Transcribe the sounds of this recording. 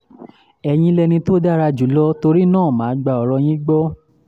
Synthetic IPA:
ɛ˧j̃ĩ˧lɛ˧nĩ˧to˦da˦ɾa˧d͡ʒu˨˦lɔ˦to˧ɾi˦nãː˦˨mãː˨˦ɡ͡ba˧ɔ˨˦ɾɔ˧j̃ĩ˦ɡ͡bɔ˦

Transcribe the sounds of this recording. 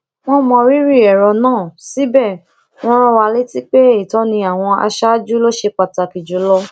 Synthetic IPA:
w̃ɔ̃˦mɔ̃˧ɾi˦ɾi˦˨ɛ˨ɾɔ˨nãː˦˨si˦bɛ˦˨ | w̃ɔ̃˦ɾ̃ɔ̃˦wa˧le˦ti˦k͡pe˦i˨tɔ̃˨˦nĩ˧a˨w̃ɔ̃˧a̰˧ʃa˦d͡ʒu˦lo˦ʃe˧k͡pa˨ta˨ki˨d͡ʒu˨˦lɔ˦

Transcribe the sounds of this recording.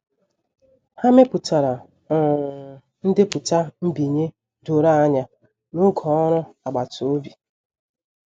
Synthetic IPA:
ha˦me˦pʊ˨ta˨ɾa˨ | ɔ˨ | n̩˦dɪ˦pʊ˨ta˦m̩˦bi˨ɲe˦ | do˨ɾa˦a˦ɲa˦ | no˦ɡʰɔ˨ɔ˦ɾʊ˦a˨ɡ͡ba˨to˦bi˨

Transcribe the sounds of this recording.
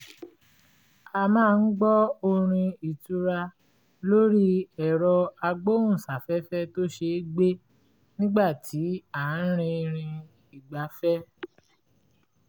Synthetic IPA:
a˧mãː˦˧n̩˦ɡ͡bɔ˦o˧ɾ̃ĩ˧i˨tu˧ɾa˧ | lo˦ɾi˦ɛ˨ɾɔ˧a˧ɡ͡bo˦wũ˦˨sa˨fɛ˦fɛ˦to˦ʃe˧˦ɡ͡be˦ | nĩ˦ɡ͡ba˦˨tʰi˨˦a˨n̩˦ɾ̃ĩ˧ɾ̃ĩ˧ | i˨ɡ͡ba˨˦fɛ˦

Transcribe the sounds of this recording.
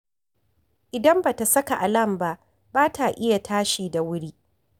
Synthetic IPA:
ʔɪ˨dɐ˦mba˨ta˨sɐ˦ka˨ʔa˨lɐ˦˨mba˦ʔ | baː˦tʰa˨ʔɪ˦ja˨tʰaː˦ʃiː˨da˨wʊ˦ɽiː˦

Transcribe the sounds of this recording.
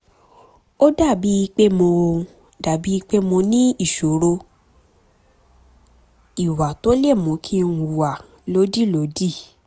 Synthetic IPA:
o˦da˦˨bi˨˦i˧k͡pe˦mõ˧o˧ | da˨bi˨˦i˧k͡pe˦mõ˧nĩ˦i˦˨ʃo˨ɾo˧ | i˨wa˨to˨˦le˦˨mõ˨˦kʰi˦˧˨u˨wa˨ | lo˦di˦˨lo˨˦di˦˨

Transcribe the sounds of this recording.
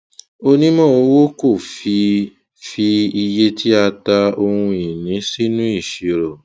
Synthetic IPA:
o˧nĩ˦mɔ̃˦o˧wo˦ko˦˨fi˧ | fi˧i˧je˦tʰi˦a˧ta˧o˧hũ˧i˨nĩ˨˦si˦nũ˦i˦˨ʃi˨˦ɾɔ˨

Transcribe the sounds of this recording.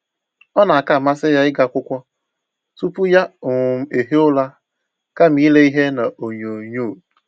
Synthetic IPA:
ɔ˦na˨a˨ka˦˨ma˦sɪ˦ja˦ɪ˦ɡa˦kʷʊ˦kʷɔ˦ | tu˦pu˦ja˦ʊ˨m̩˨e˨ɦe˦ʊ˦la˦ | ka˦m̩i˦le˦i˦ɦe˦na˨o˨ɲo˨ɲo˦˨

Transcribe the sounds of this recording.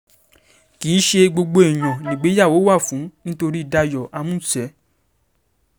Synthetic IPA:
ki˨˦ʃe˧ɡ͡bo˧ɡ͡bo˧e˨j̃ɔ̃˨nĩ˨˦˨ɡ͡be˨˦ja˦˨wo˨˦wa˦˨fũ˨˦nĩ˦to˧ɾi˦i˨da˧jɔ˨ʔa˧mũ˦sɛ˨˦

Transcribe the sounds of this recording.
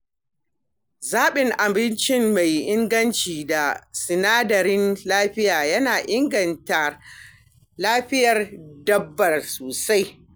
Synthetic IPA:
zaː˦ɓɪ˨ŋʔa˨bɪ˦nt͡ʃɪ˦mma˨jʔɪ˦ŋɡɐ˦nt͡ʃiː˨da˨sɪ˨naː˦dɐ˨ɾɪ˦nlaː˦ɸɪ˦jaː˨jɐ˦naː˨ʔɪ˦ŋɡɐ˨nta˨ | laː˦ɸɪ˦jɐ˨rdɐ˦bːɐ˨rsoː˨sa˦j

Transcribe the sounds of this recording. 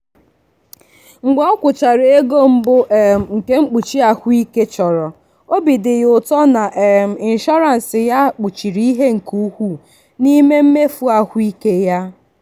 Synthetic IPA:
ŋ͡m̩˨ɡ͡bɔ˦ɔ˦kʷʊ˨t͡ʃa˨ɾe˦ɡo˦m̩˦bʊ˦ʔŋ̩˨ke˦ŋ͡m̩˦k͡pu˨t͡ʃi˦a˨hʷʊ˦i˦ke˦t͡ʃɔ˨ɾɔ˨ | o˦bi˨dɪ˨jʊ˨tɔ˦na˨ʔm̩˨ɪ˨n̩˨ʃɔ˦ɾa˨n̩˨sɪ˨ja˦k͡pu˨t͡ʃi˨ɾi˦i˦ɦe˦ŋ̩˨ku˦hʷu˦ | ni˦me˦m̩˦me˦fu˦a˨hʊ˦i˦ke˦ja˦

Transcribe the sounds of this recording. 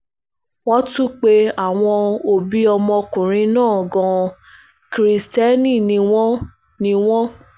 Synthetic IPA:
wɔ˦tũ˦k͡pe˧a˦˨w̃ɔ̃˧o˨bi˦ɔ˧mɔ̃˧kũ˨ɾ̃ĩ˧˦nãː˦˨ɡɔ̃˧ | kɾi˨˧stɛ˦nĩ˦˨nĩ˧w̃ɔ̃˦ | nĩ˧w̃ɔ̃˦

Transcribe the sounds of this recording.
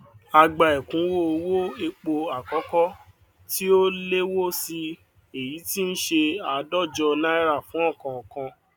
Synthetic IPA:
a˧ɡ͡ba˨e˨kũ˨˦wo˦o˧wo˦e˧k͡po˧a˨kɔ˨˦kɔ˦ | ti˦o˦le˦wo˦si˧ | e˨ji˨˦ti˦ñ̩˦ʃe˧a˨˦dɔ˦˨d͡ʒɔ˧nã˦ɛ˦ɾa˦˨fũ˨˦ɔ̃˦˨kã˨ɔ˨kã˧

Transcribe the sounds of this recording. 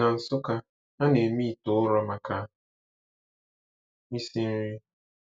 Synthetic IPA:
a˨n̩˨sʊ˦ka˦ | a˦ne˨mi˦˨tʊ˨˦ʊ˦ɾɔ˦ma˨ka˦ | mi˦si˦n̩˦ɾi˦

